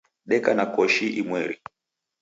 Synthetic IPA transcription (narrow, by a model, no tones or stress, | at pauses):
ɗɛkanakɔʃiʔimwɛɾi